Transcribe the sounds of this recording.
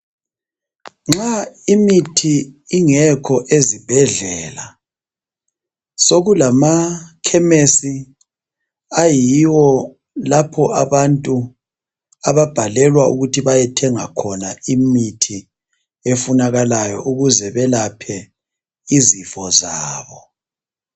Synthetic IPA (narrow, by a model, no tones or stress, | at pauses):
ŋ͡ǁaimitʰiːŋɛkʰɔʔezib̥ʱɛɮɛːla | soɣulamakʰɛmesi | ajiwɔ | lapʰɔaβantʼu | aβab̥ʱalɛlwaṵɣutʰiβajɛtʰɛŋakʰɔnaimitʰi | efunaɣalajɔ̰ʔuɣuzɛβɛlapʰɛ | izifɔzaːβɔ